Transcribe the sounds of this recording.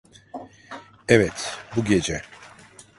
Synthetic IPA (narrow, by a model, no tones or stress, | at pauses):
ɛvɛt̪ʰbuɡɛd͡ʒɛ